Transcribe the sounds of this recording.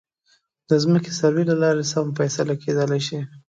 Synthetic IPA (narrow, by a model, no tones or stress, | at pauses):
d̪̥əzməke̥saɾwilalɑɾesamfasalakʰed̪əlajʃi